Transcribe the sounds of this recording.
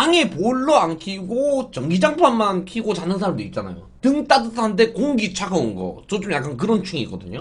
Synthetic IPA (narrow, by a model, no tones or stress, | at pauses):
aŋe̞poɭːʌaŋkʰiɡot͡ɕʌŋɡid͡ʑaŋpʰanmankʰiɡot͡ɕanːɯnsʰaɾamdoit̚t͡ɕ͈ana̰jo̰tɯŋt͈adɯsʰaand̬e̞koŋɡit͡ɕʰaɡʌunɡʌ̰t͡ɕot͡ɕomjak͈ank̬ɯɾʌnt͡ɕʰuŋiiɡ͈ʌdɯɲo